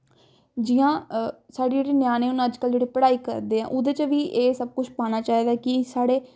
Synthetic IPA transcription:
d͡ʒijãːsaːɖiːd͡ʒeːɽeːnjaːneːʊnãəd͡ʒkəld͡ʒeːɽiːpəɽaːiːkə̰ɾd̪eːã̰ːʔʊd̪eːt͡ʃəʋiːʔeːsəb̚kʊt͡ʃʰpaːñaːt͡ʃaːiːd̪aːkɪsaːɽeː

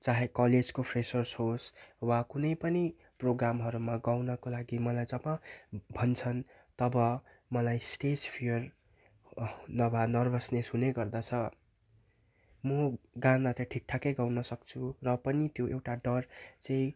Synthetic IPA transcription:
t͡saɦẽkʌled͡zkopʰresʌrsɦoswakunʌjpʌni | proɡramɦʌɾumaɡawnʌkolaɡimʌlajd͡zʌbãbʱʌnt͡sʰʌn | t̪ʌbʌ | mʌlajsʈespʰijʌr | nʌbʱanʌrbʱʌsnesɦuneɡʌrd̪at͡sʰʌ | mʌɡãnat̪ʌʈʰik̚ʈʰakʌjɡawnʌsʌkt͡sʰurʌpʌnit̪joʔewʈaɖʌrt͡saĩ

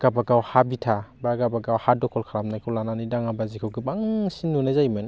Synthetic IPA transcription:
ɡ̥abaɡawhabitʰabaɡabaɡawhadɔkʰɔlkʰaɾamnajkʰulananidaŋabazikʰɯwɡibaŋsinːunazajman

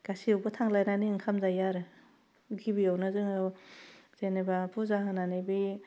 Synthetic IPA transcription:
ɡ̥asiawbɯtʰaŋlajnaniɯŋkʰamzajaɾɯ | ɡibiawnɯzɯŋ | z̥enebapʰuzaɦananibi

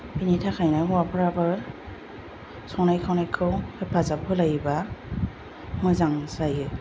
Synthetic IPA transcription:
pinitʰakʰajnajɦuwapʰɔɹaba | sɔwnajkʰawnajkʰɯwpazap̚hɔlajiba | mɔjzaŋsajɯ

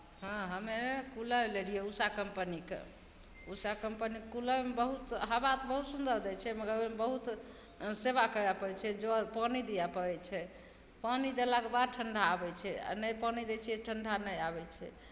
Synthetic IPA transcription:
ɦãɦəmekuləleɽijeusakəmpənikḛ | usakəmpənikːuləmebəɦut̪ɦəbat̪bəɦut̪sund̪əɾd̪ɛt͡ʃʰɛməɡəɾemebəɦut̪ | seβakəɾapəɾɛt͡ʃʰɛd͡ʒopənid̪ijapəɾɛt͡ʃʰɛ | pənid̪elaɡbad̪̚ʈʰəɳɖʱaːbɛt͡ʃʰɛa̰nəjpənid̪ɛt͡ʃʰijɛʈʰəɳɖʱanəjabɛt͡ʃʰɛ̰

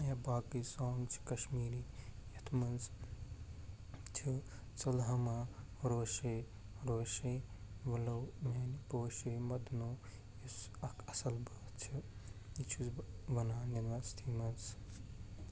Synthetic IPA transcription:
jɐbaːkisoːŋɡt͡ʃʰi̥kɐʃmiːɾijɐt̪ʰmɐnz | t͡ʃʰi | t͡sɐlɦɐmaɾoːʃe | ɾoːʃeʋɐlɐwmanipoːʃemɐd̪noː | jisɐkɐsɐlbɐt͡ʃʰiit͡ʃʰuzʋɐnaːnɐnʋɐst̪ʰimɐnz

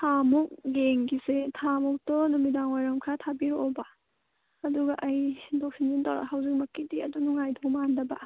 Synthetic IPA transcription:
tʰamuk̚ɡeŋɡisetʰamɔk̚tɔnumidaŋwajɾɐmkʰatʰabiɾoːba | ɐduɡɐʔɐjdok̚sind͡ʒintawɾa̰hawzik̚mɐkːidiɐdunuŋajdɔkmandɐbɐ

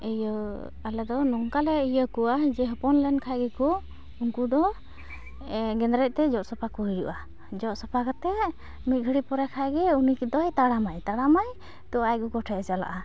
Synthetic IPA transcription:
ɛjə | alɛd̪ɔnɔŋkalɛijəkuad͡ʒɛɦɔpɔnlɛnkʰajɡɛkɔ | uŋkud̪ɔ | ɡɛnd̪ɾɛc̚ˀt̪ɛd͡ʒɔʔsɔpakɔɦijuʔa | d͡ʒɔʔsɔpakɔt̪ɛ | mit̪̚ɡʱəɽipɔɾɛkʰajɡɛunikid̪ɔjt̪aɽamajt̪aɽamaj | t̪ɔajɡukɔʈʰɛd͡ʒala̰ʔa

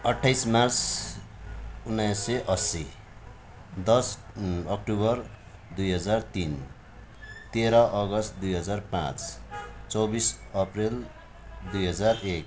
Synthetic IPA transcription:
ʌʈʰːajsmart͡s | unːajsʌʔʌsi | d̪ʌsʌk̚ʈuβʌr | d̪ujɦʌd͡zart̪in | t̪eɾʌʔʌɡʌst̪̚d̪ujɦʌd͡zarpã̰t͡st͡sʌwbisʌprel | d̪ujɦʌd͡zarek

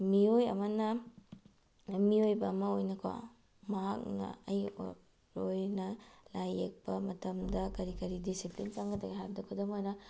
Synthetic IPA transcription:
miojɐ̰mɐnɐ | miojbɐːmɐojnɐkʰwa̰ | mɐɦak̚nɐ̰ɐj | ɾojnɐlajek̚pɐmɐtɐmdɐkɐɾikɐɾidisiplint͡ʃaŋɡɐdɐɡeɦaɾdɐkʰudɐmojnɐ

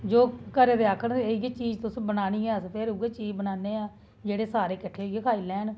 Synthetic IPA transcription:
d͡ʒoːkəɾeːd̪eaːkʰəneɡeːt͡ʃiːd͡ʒt̪ʊsbənaːniːɛːspʰeɾʊɡeːt͡ʃiːd͡ʒbənaːneːaː | d͡ʒeːɽeːsaːɾeːkəʈʰːeːɡekʰaːiːlɛ̃ːn

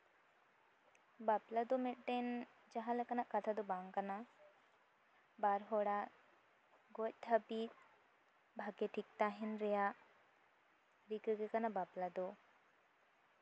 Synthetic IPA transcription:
baplad̪umeʈʈen | d͡ʒaɦalekanaʔkat̪ʰad̪ubaŋkana | baɾɦoɽa | ɡoc̚t̪ʰapit̪̚ | bʱaɡeʈʰik̚t̪aɦinɾɛjaʔ | ɾikɯɡekanabaplad̪u

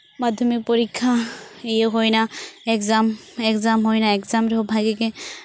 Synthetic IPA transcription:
mad̪ʱɔmik̚pɔɾikʰːaijewɦojnaɛkzamɛkzamɦojnaɛkzamɾeɦobʱaɡeke

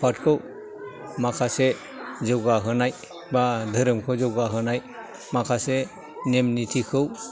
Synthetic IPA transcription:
pʰatkʰɯw | makʰase | d͡ʒɔɡaɦɯnaj | badʱɯɾɯmkʰɯwd͡ʒɔwɡaɦɯnaj | makʰase | nemnitʰikʰɯw

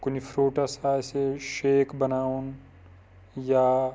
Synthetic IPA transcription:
kʊnifʰɾoːʈasaːjseʃeːkbɐnaːun | jaː

